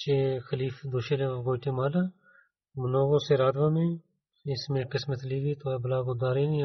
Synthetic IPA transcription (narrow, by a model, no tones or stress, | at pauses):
t͡ʃeːxəliːfd̪oːʃeleːɡoːʈeːmaːla | mənoːɡõːseːɾaːd̪ãːmẽː | ɪsmẽːqɪsmət̪liːɡiːt̪obəlaːɡʊd̪aːɾeːni